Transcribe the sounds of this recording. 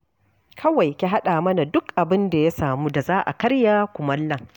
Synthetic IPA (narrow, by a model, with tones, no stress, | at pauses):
kʰɐ˦wa˨jkʲi˦ɦa˦ɗaː˨mɐ˦na˨dʊ˦kʔa˨bɪ˦nda˨ja˦saː˨muː˦da˨zaː˦ʔa̰˨kɐ˦ɽjaː˦kʷʊ˨mɐ˦lːɐ˨ŋ